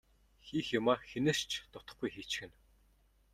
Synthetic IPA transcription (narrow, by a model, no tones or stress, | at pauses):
xiːxjʊmaːxenɘ̆rt͡ɕʰt̪ʊt̪ə̆χɡujxiːt͡ɕxɘ̆n